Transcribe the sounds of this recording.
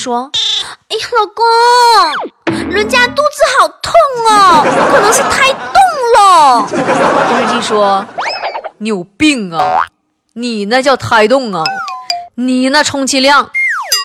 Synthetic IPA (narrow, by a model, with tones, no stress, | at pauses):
ʂwɔ˥e˥˩xɑ˨˩kɔ˥ | ɻwə˧˥nt͡ɕja˥t̪u˥˧t͡sɹ̩˥˩xɑ˨˩ʊt̪ʰʊ˥˩ŋə˩˧˥kʰɤ˨˩nɤ˧˥ŋʂɻ̩˥˧t̪ʰa˥ɪt̪ʊ˥˩ŋlə˨˧˩ | t͡ɕo˥˧ʂɻ̩˥˧˩t͡ɕi˥˩ʂwɔ˥ | njo˨˩ʊpi˥˩ŋɐ˩ | ni˨˩na˥˧t͡ɕjɑ˥˩ʊt̪ʰa˧˥ɪt̪ʊ˥˩ŋɐ˩ni˨˩nə˧˩ʈ͡ʂʰʊ˧˥ŋt͡ɕʰi˧˥ljɑ˥˩ŋ